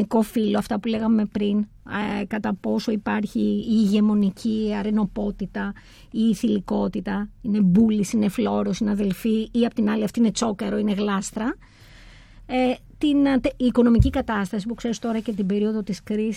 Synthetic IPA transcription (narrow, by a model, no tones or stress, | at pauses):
iko̞filo̞ɐft̪ɐpule̞ɣɐme̞pɾin | kɐt̪ɐpo̞so̞ipɐɾçiːʝe̞mo̞nicʰiɐɾeno̞po̞t̪it̪ɐ | iːθiliko̞t̪it̪ɐine̞bulisine̞flo̞ɾo̞sinɐðe̞lfiːɐpo̥t̪inɐliɐft̪ine̞t͡so̞kɐɾo̞ine̞ɣlɐst̪ɾɐ | e | t̪int̪iːko̞no̞micikɐt̪ɐst̪ɐsipukse̞ɾist̪o̞ɾɐce̞t̪ibe̞ɾio̞ðo̞t̪iskɾis